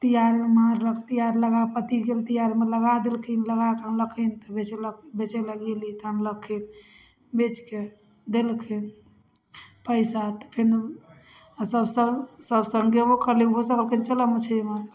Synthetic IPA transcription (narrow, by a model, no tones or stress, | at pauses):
t̪ijaɾmaɾːəkʰt̪ijaɾləɡapət̪iɡelt̪ijaɾimeləɡad̪elkʰinləɡakmləkʰint̪ɔbet͡ʃelbet͡ʃeləɡelit̪ɦəmləkʰːin | bet͡ʃke | d̪elkʰin | pəɪsat̪ɔ̥pʰin | səbsəsəbsəŋɡebokəɾliɦosəkəlkʰənt͡ʃələmet͡ʃʰemaɾ